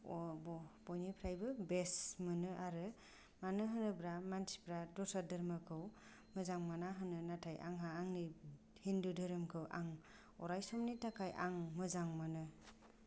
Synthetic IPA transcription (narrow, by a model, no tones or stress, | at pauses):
ɔbɔbɔjnipʰɾajbɯbesmɯnɯʔaɾɯ | manɯɦɯnɯbɾamansi̥pɾadɔsʰadɯɾmɯkʰɯw | mɯzaŋmanaɦɯnɯnatʰajʔa̰ŋɦaːŋni | hindudɯɾɯmkʰɯwʔa̰ŋ | ɔ̰ɾajsɔmnitakʰajʔa̰ŋmɯzaŋmɯnɯ